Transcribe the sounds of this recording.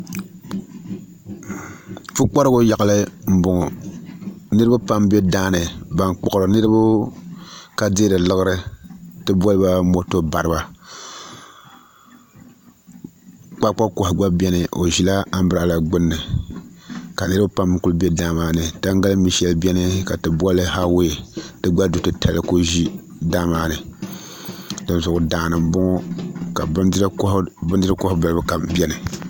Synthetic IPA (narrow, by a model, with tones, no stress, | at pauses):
fu˦k͡pa˦ɾɨ˦ɡʊ˦ja˨ɣɨ˦lɨ˦m̩˦bʊ˨ŋʊ˨ | nɨ˦ɾɨ˦ba˦pa˦mbe˦daː˦nɨ˨ba˦ŋk͡pɔ˨ɣɾɨ˨nɨ˦ɾɨ˦bu˦ | ka˦deː˦dɨ˨lɨ˦ɣɨ˦ɾɨ˦tɨ˦bɔ˦lɨ˦ba˦mo˦to˦ba˨ɾɨ˦ba˨ | k͡pa˦k͡pa˦ko˨hɡ͡ba˦bʲɛ˦nɨ˨ʔo˨ʒi˦la˦a˦m̩˦bɨ˦ɾa˨la˨ɡ͡bʊ˦nːɨ˨ | ka˨nɨ˦ɾɨ˦bpa˦mː˦ku˦lbɛ˦da˦maː˨nɨ˨ta˦ŋ˦ɡa˦lɨ˦mi˨ʃɛ˦lbʲɛ˦nɨ˦ka˨tɨ˨bɔ˦lɨ˦ha˦wo˦je˨tɨ˦ɡ͡ba˦du˨tɨ˦tʰa˨lɨ˦ko˦ʒi˦ | da˦maː˦nɨ˨ | dɨ˨n˨zʊ˨ʔʊ˨daː˨nɨ˨mbɔ˦ŋɔ˦ka˨˦bɨ˦dɨ˦ɨ˦ko˦hba˨lɨ˦bɨ˦ka˨bʲɛ˦nɨ˨